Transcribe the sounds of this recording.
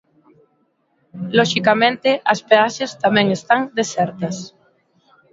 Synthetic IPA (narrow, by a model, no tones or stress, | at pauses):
loʃikamẽnt̪eʔɐspeaʃest̪amɛ̃ŋest̪aŋd̪esɛɾt̪ɐs